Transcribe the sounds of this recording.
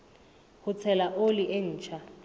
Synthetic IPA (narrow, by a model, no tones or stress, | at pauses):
hʊt͡sʰɛlaʔoliʔen̩ːt͡ʃʰa